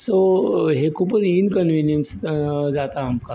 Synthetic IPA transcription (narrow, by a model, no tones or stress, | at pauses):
soɦekʰuːpət͡sinkənʋinjənsd͡zat̪aːmka